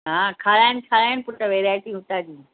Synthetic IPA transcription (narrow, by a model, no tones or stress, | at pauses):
ɦãːkʰaːlaːɪnɪkʰaːɭaːɪnɪ̆pʊʈəʋeːɾaːɪʈiɦʊt̪aːd̪iː